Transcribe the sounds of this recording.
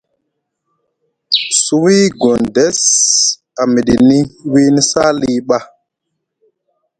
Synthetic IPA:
su˦wi˦ɡo˨nde˦s | a˨mi˨ɗi˨ni˦wi˦ni˦sa˦li˦ɓa˦

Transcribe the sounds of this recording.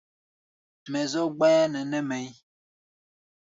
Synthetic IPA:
mɛ˨zo˦ɡ͡ba˦a˦nɛ˨nɛ˦mɛ˨j

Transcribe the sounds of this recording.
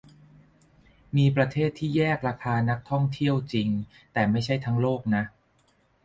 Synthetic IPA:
miː˧pɾa˧t̪ʰeː˥˩t̪ʰːiː˥˩jɛː˥˩k̚ɾa˧kʰaː˧na˦˥k̚t̪ʰɔ˥˩ŋt̪ʰi˥˩əwt͡ɕi˧ŋ | t̪ɛː˨˩ma˥˩jt͡ɕʰa˥˩jt̪ʰa˦˥ŋloː˥˩k̚na˦˥ʔ

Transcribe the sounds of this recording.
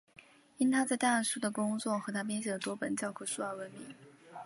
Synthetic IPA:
i˥nt̪ʰa˥t͡sa˥˧ɪt̪a˥˩˥ʂu˥d̪ə˨kʊ˥ŋt͡swɔ˥˩xɤ˧˥t̪ʰa˥p̬jɛ˥nɕjɛ˧˩d̪ə˩t̪wɔ˥pə˧˥nt͡ɕjɑ˥˩ʊkʰu˥˩ʂu˥a˞˥˧˩wə˧˥˩nmḭ˧˥˦ŋ

